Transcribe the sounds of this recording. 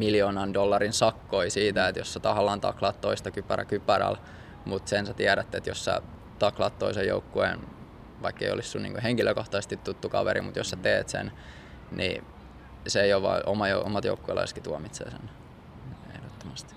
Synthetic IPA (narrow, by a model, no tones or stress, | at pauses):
miljoːnɑndolːɑrinsɑkːoisiːt̪æet̪jossæt̪ɑhɑlːɑːnt̪ɑ̰klɑːt̪t̪oist̪ɑkypːæræ̰kypːæɾæ̰l | mut̪sensæt̪iæɾæt̪ːet̪jossæ̰ | t̪ɑklɑːt̪toisejjo̰ukːuḛn | ʋɑikːeijo̰lissunḭŋkuheŋkiløkoht̪ɑsest̪it̪t̪ːut̪ːukɑ̰ʋeɾḭmut̪jossæt̪eːt̪sḛn | nʔḭ | seeijoʋʋɑ̰iʔomɑjoomɑt̪jo̰ukːuḛlɑ̰ise̥skit̪uɑmit̪sḛːsḛn | ḛhdot̪ːomɑst̪i̥